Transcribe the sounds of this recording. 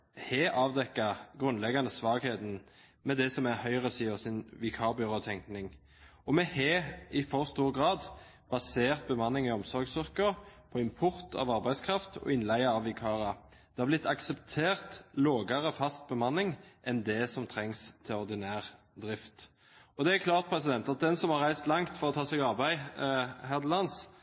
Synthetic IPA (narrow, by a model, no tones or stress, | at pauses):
hɛʔɑːʋd̪ɛkːɑɡʁʉnlɛɡɑnəsʋɑːɡheːd̪n | mɛd̪ɛsɔmæhœʏʁəsiːɔsɪnʋɪkʰɑːʁbʏʁoːt̪ʰɛŋknɪŋ | ɔmɛheːɪfɔʁst̪uːʁɡʁɑːd̪ | b̥ɑseːʁt̪̚bəmɑnːɪŋɪɔmsɔɾɡsʏʁkəpʰɔɪmpʰʊʁt̪ʰɑ̰ʋɑʁbæɪskʰʁɑft̪ʰɔ̰ɪnlæɪɑɑʋːɪkʰɑːɾɑd̪̥ɛhɑɾblɪt̪ʰːɑksɛpt̪ʰeːʁt̪loːɡəʁəfɑst̪̚bəmɑnːɪŋʔɛnd̪ɛsɔmt̪ʰɾɛŋst̪ʰɪlɔɾd̪ɪnæːʁ | d̪ɾɪft̪ | ɔd̪ɛækʰlɑːʁt̪̚pʰɾɛsɪd̪ɛnt̪ɑt̪̚d̪ɛnsɔmhɑʁæɪst̪lɑŋt̪fɔʁɔt̪ʰɑːsɛɡɑʁbæɪhæd̪lɑns